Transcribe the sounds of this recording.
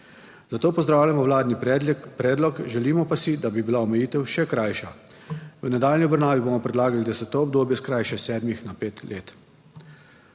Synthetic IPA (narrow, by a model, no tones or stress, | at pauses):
zat̪oːpɔzd̪ɾaːwlʲjamɔwlaːd̪nippɾɛːd̪lɔkʒɛliːmɔpasid̪abibilaɔmɛjiːt̪ɛwʃɛkɾajʃa | ʋənɛd̪aːlnʲiɔbɾnaːʋibomɔpɾɛd̪laːɡalid̪asɛt̪ɔɔbd̪oːbjɛskɾajʃɛsɛːd̪mixnapeːt̪leːt̪